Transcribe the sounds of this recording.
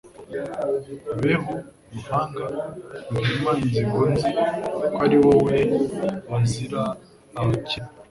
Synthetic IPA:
βeβomuhaːŋɡaukimaiziβonzikwaɾiwoweonziɾaː | ci

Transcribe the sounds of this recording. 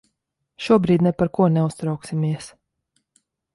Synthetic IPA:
ʃuɔbɾiːd̪nɛpaɾkuɔnɛust̪ɾawksimiɛs

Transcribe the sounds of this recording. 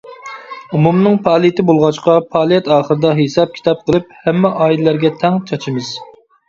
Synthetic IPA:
umumnɨŋpʰɑːlˠijt̪ʰɪbolˠʁɑt͡ʃqɑpʰɑːlˠijɛt̪ɑːχəɾɨd̪ɑɦesɑp̚kʲʰi̥t̪ʰɑp̚qʰəlˠɨp̚hɛmːɛʔɑːilɪlæɾɡʲɛt̪ʰɛŋt͡ʃʰɑt͡ʃʰɨmɨz̥

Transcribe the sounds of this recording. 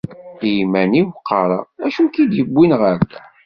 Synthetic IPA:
ijmæniwqʰːɑɾˤɑ̰æʃukid̪jəbʷːinʁəɾ

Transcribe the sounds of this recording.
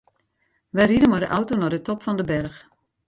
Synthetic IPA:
ʋɛjridəmɔdəʔɔwtonɔdətɔpfɔndəbɛrx

